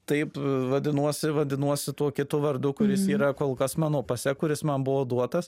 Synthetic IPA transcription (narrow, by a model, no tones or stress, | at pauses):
t̪ɐɪpʋɐd̪ʲɪnuɔsʲɪʋɐd̪ʲɪnuɔsʲɪt̪uɔkʲɪt̪ʊʋɐɾd̪ʊkʊɾʲɪsiːɾɐkoːlˠkɐsmɑːnoːpɐsʲɛkʊɾʲɪsmɐnbʊʋoːd̪uɔt̪ɐs